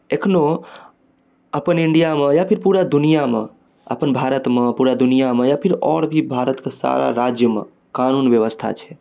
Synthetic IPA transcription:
ekʰno | əpəniɳɖijamejapʰiɾpuɾad̪unijamḛ | ə̰pənbʱaɾət̪mepuɾad̪unijamejapʰiɾɔ̰ɾbʱibʱaɾət̪kesa̰ɾa̰ɾad͡ʒjəmḛ | kanunbjəβəst̪ʰa̰t͡ʃʰɛ̥

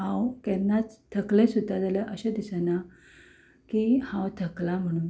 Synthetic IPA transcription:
ɦãwkɛnːat͡st̪ʰːəklẽsud̪ʱːad͡zaləʔəɕẽd̪isəna | kihãwt̪ʰəklam̤əɽ̃uːn

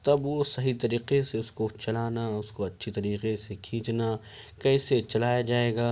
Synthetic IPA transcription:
t̪ɐbʋosɐɦit̪ɐɾiːqeseʊskot͡ʃɐlaːnaʊskoɐtːʃʰit̪ɐɾiːqesekʰĩːt͡ʃna | kɛːset͡ʃɐlaːjad͡ʒaːeːɡaː

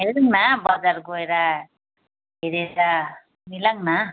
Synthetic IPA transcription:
ɦeuŋnabʌd͡zarɡoeɾa | ɦeɾeɾa | milaŋna

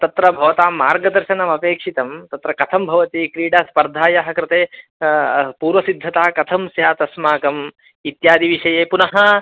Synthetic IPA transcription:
t̪ɐt̪ɾɐbʱɐʋɐt̪aːmːaːɾɡɐd̪ɐɾʃɐnɐmɐpeːkʂit̪ɐmt̪ɐt̪ɾɐkɐt̪ʰɐmbʱɐʋɐt̪ikɾiːɽaːspɐɾd̪ʱaːjaɦɐ̆kɾɪt̪eː | puːɾʋɐsid̪ʱːɐt̪aːɐkɐt̪ʰɐmsjaːt̪ɐsmaːkɐm | it̪jaːd̪iʋiʂɐjeːpunɐɦɐ

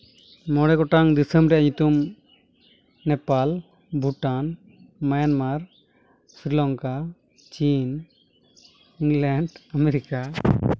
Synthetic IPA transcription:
mɔɽɛɡɔʈaŋd̪isəmɾɛaɲut̪um | nɛpal | bʱuʈan | majanmaɾ | sɾilɔŋka | t͡ʃin | iŋlɛɳɖameɾika

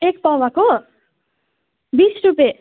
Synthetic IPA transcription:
ekpawako | bisɾupe

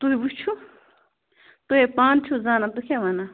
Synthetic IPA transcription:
t̪uibut͡ʃʰu | t̪uɦepaːnt͡ʃʰuzaːnat̪ukʰeʋana

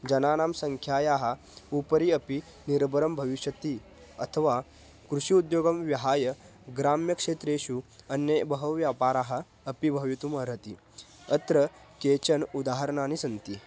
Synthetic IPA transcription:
d͡ʑɐnaːnaːmsɐŋkʰjaːjaːɦɐ | upəɾiɐpi | niɾbɐɾəmbʱɐʋiɕjɐt̪i | ɐt̪ʰəʋa | kɾuʂiud̪joːɡɐmʋjɐɦaːjɐɡɾaːmjɐkʂeːt̪ɾeːɕuɐnːjebɐɦɐʋʋjaːpaːɾaːɦɐː | pibʱɐʋjit̪umɐɾɐt̪i | ɐt̪ɾəkeːt͡ɕɐnud̪aːɦəɾəɳaːnisɐnt̪i

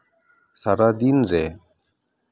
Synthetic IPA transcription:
saɾaːd̪inɾeː

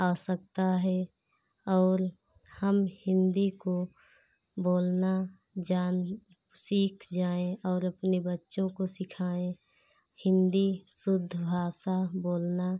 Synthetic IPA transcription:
aːsək̚t̪aɦɛ | ɔːɾ | həmhɪ̃nd̪iko | boːlna | d͡ʒaːn | siːkʰd͡ʒaːẽɔːɾɐpnebətːʃõkosɪkʰaːẽ | hɪ̃nd̪isʊd̪ʱːbʱaːsaboːlna

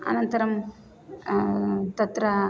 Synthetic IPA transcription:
ɐ̰nɐnt̪ɐɾɐm | t̪ɐt̪ɾɐ

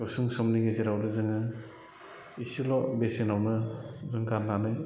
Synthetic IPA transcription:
ɔsuŋsɔmniɡeziɾawdɯzɯŋɯ | isilɔbesinawnɯzɯŋɡaɾnanɯj

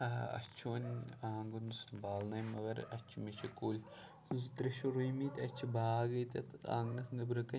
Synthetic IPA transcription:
ɐɐ̰t͡ʃʰoːnʲaːŋɡunsbaːlnɐjmɐʋɐɾɐ̰t͡ʃʰimit͡ʃʰɐkulʲ | uzt̪ɾɐʃoɾujmit̪ʲɐt͡ʃʰibaːɡɐt̪ʲɐt̪a̰ːŋɡnɐsnɐbɾɐkɐ

